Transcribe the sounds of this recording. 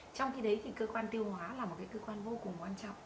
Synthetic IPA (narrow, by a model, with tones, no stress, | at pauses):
t͡ɕɔ˧wŋ͡mxi˧ɗə˨˦jt̪ʰi˨˩kəː˧kwaː˧nt̪i˧əwhwaː˨˦laː˨˩mo˨˩t̚kaː˨˦jkəː˧kwaː˧nvo˧kʊ˨˩ŋ͡mkwaː˧nt͡ɕŋ͡mʔ